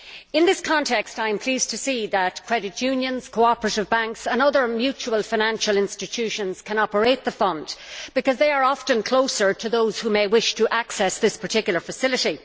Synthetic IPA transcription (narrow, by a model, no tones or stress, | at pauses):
ɪ̃nðɪskʰɑ̃ntʰɛkstaɪə̃mpʰl̥iːz̥tʰɨsiðət̚kʰɹ̥ɛɾɨtjʉ̃njə̃nz̥kʰoʊɑpəɹəɾɨvbæ̃ŋksə̃nʌðə˞mjʉt͡ʃuəlˠfaɪnæ̃nʃəlˠɪ̃nstɨtʰʉʃə̃nz̥kʰə̃nɑpə˞eɪt̪̚ðəfʌ̃nd̥b̥ɨkʌzðeɪə˞ɑftə̃nkʰl̥oʊsə˞tʰəðoʊz̥humeɪwɪʃtʰəʔaksɛsðɪspʰə˞tʰɪkjl̩ˠə˞fəsɪlɨɾi